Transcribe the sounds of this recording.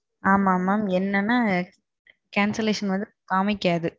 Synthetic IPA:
aːmaːmaːmɛnːɐnːaː | kaːnsɐleːʂɐnʋɐnd̪ɯkaːmɪkːaːðɯ

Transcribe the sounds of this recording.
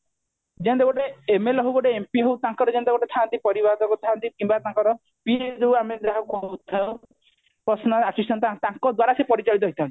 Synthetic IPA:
d͡ʒent̪ekɔʈeːmelɔɦuɡɔʈeempiɦowt̪ãŋkɔɾɔd͡ʒend̪eɡɔʈet̪ʰant̪ipɔɾibad̪ɔkɔt̪ʰant̪ikimbaɾt̪ãŋkɔɾɔ | pied͡ʒowamed̪aɦɔkɔut̪ʰa | pɔsɔnɔasisʈɔnt̪at̪ãŋkɔd̪waɾasepɔɾit͡ʃɔɭit̪ɔɦjt̪ʰãnt̪i̥

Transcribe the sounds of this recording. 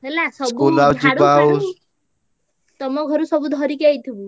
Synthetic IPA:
elasɔbkuolawt͡ʃiɽaw | t̪ɔmɔɡʱɔɾusɔbud̪ʱɔɾikejt̪ʰibu

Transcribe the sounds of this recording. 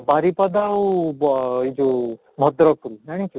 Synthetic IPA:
baɾipɐd̪au | id͡ʒo | mʱɔd̪ɾɔkuɾunaɽ̃ĩku

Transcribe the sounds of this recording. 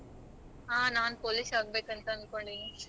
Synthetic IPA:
ɦaːnaːnpoːlisɐɡ̚beːkɐnt̪aɐnkoɳɖini

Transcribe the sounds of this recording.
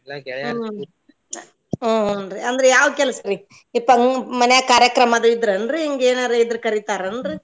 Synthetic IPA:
oːɦnɾiɐnd̪ɐɾɛjaːʋɐkɛlɐsɐɾi | ipːɐŋmɐnɛjakaːɾjɐkɾɐmad̪ɯid̪ɾɐnɾɯiŋɡeːnaːɾɯid̪ɾɯkɐɾit̪aːɾɐnɾɯ

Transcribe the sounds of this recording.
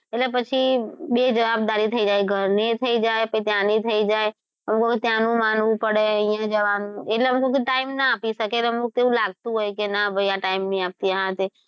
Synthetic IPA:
elepət͡ʃʰibed͡ʒəʋabd̪aɾit̪ʰəid͡ʒaːeɡʱəɾnit̪ʰəid͡ʒaepəit̪janit̪ʰəid͡ʒae | ɦəmkoket̪janũmanʋupəɽeə̃ɪjãd͡ʒəʋanũeleɦəmkokeʈaɪmnaapisəkelɦəmkot̪eũlaɡ̚t̪uɦojkenabəjãʈaɪmnĩap̚t̪iəɦãt̪e

